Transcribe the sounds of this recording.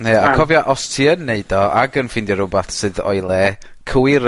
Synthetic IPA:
jɛakʰɔvjɔʔɔstʰiənːeɨdɔa̰ɡənfɪndjɔɾʊbaθsɨðɔ̰jlˠɛ | kʰəwɪɾ

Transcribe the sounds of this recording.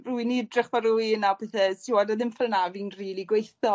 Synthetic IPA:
rujniədrɪχvaɾuiənapʰɛθɛsiwadaðɪmfɛlˠnaviːnriːlˠiɡwejθɔ

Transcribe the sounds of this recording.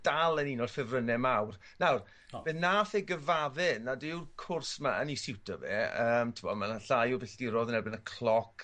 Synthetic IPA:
d̥alˠəninɔd̥fɪvrənɛmawr | nawr | b̥ɛnːaːθeɡəvavɪnːadɪwrkʰʊrsmaʔənisɪwtʰɔvɛ̰əːmtʰɪmɔmanaɬajɔbɪɬd̥iɾɔðnɛlbɪnəkʰl̥ˠɔkʰ

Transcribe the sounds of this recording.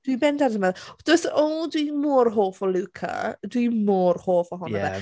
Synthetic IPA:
d̥wibɛndaɾəmaðd̥osodwimoːrɦoːfɔlukʰa̰dwimoːrhoːfɔɦɔnaɛ̰

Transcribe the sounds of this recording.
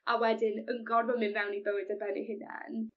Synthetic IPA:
ʔawɛdɪnəŋɡɔnvɔmɪnvɛwniðoɨdabɛnḭɦɪnɛ̰n

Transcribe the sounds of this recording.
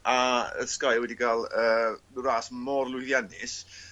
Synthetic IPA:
aə̰skajwɛdiɡalˠəːɾaːsmɔrlˠʊɨθjanɪs

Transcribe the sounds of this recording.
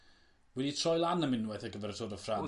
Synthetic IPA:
wɛditʰr̥ɔjlˠanəmɪnwɛθəɡəvɛrtʰoːdəfra

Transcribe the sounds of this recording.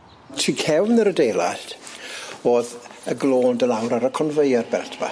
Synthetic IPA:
tʰiːkʰɛwnəɾədeːlˠa̰ɬt | oːðəɡloːndəlawɾaɾəkʰɔnvəjarbɛ̰rtʰb̥a̰

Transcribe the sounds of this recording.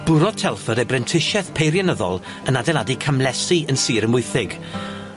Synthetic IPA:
b̥ʊɾɔtʰɛlˠfəɾɛbrɛntʰɪʃɛθpʰejɾjanəðɔ̰lˠ | ənadɛladikʰamlɛsiənsiːɾənmʊɨθɪɡ̥

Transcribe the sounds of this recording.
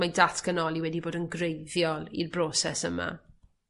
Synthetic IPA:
majdatʰkənɔlˠiwɛdiboːdənɡrejðjɔlˠḭrbroːsɛsəma̰

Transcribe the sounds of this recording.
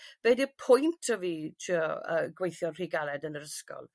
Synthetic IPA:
b̥ɛdipʰʊjntʰəvitʰiə̰ɡwejθjɔnr̥iɡalˠɛdənəɾəskɔ̰lˠ

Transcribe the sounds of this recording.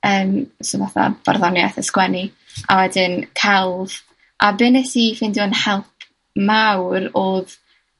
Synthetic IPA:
əːmsɪvaθa̰b̥a̰rðɔnjaθəskwɛni | a̰wɛdɪnkʰɛlˠv̥ | ʔabɪnɛtifɪnduənhɛlˠpʰ | mawroːð

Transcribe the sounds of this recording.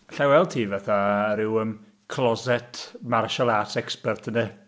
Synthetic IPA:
ɬawɛlˠd̚tʰiːvaθaɾɪwəm | kʰlˠɔzɛtʰmarʃɔlˠasɛkspɛrtʰənɨ

